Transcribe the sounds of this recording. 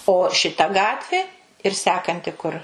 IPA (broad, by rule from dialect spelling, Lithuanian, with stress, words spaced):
oː ʃʲɪˈtɐ ˈɡɑːtʲʋʲeː ɪr ˈsʲæːkɐnʲtʲɪ kʊr